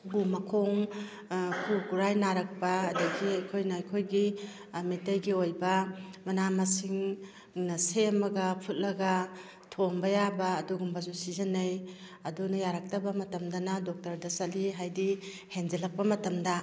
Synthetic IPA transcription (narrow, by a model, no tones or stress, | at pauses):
ɡumɐkʰoŋ | kʰukuɾajnaɾɐk̚pɐːdɐɡiɐjkʰojnaːjkʰojɡi | mitajɡiojbɐmɐnamɐsiŋ | nɐsemɐɡɐpʰut̚lɐɡɐ | tʰombɐjabɐːduɡumbɐsusizɐnɐjɐdunajaɾak̚tɐbɐmɐtɐmdɐnɐdok̚tɐɾdɐsɐtliɦajdi | hend͡ʒilɐk̚pɐmɐtɐmdɐ